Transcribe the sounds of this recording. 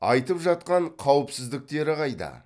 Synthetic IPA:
ɑjt̪əpʒɑt̪̚qɑɴqʰɑwɪpsɪzd̪ɪk̚t̪e̞ɾɪqɑjd̪ɑ̰

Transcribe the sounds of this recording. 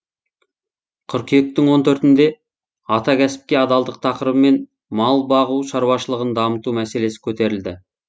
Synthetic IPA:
qʰʏɾkʲʰijek̚t̪ɪŋwo̞nt̪ʰɵɾt̪ɪnd̪e̞ | ɑt̪ɑkʲʰæsɪ̥p̚kʲe̞ɑd̪ɑlˠd̪əq̚t̪ʰɑqəɾəbəmːe̞n | mɑlˠbɑʁuʃɑɾwɑʃəlˠəʁənd̪ɑmət̪umæse̞le̞sɪ̥kʲʰɵt̪e̞ɾɪld̪ɪ

